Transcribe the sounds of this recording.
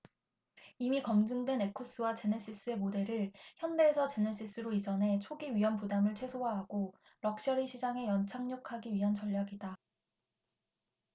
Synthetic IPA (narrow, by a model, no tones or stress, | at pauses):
imikʌmd͡ʑɯŋdwe̞ne̞kʰus͈ɯwat͡ɕe̞nes͈is͈ɯe̞mode̞ɾɯɭçjʌnde̞ːsʰʌt͡ɕe̞nes͈is͈ɯɾoid͡ʑʌnɦe̞t͡ɕʰoɡiɥiɦʌmpudamɯɭt͡ɕʰwe̞sʰoɦaɦaɡo | ɾʌk̚ɕ͈ʌɾiɕʰid͡ʑaŋe̞jʌnt͡ɕʰaŋɲʌkʰaɡiɥiɦant͡ɕʌʎːaɡida